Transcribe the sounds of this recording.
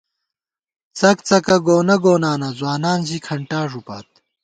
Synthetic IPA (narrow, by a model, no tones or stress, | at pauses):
t͡sɐkt͡sɐkɐɡoːnɐɡoːnaːnɐzwaːnaːnʑikʰɐɳʈaːʐupa̰ːt̪̚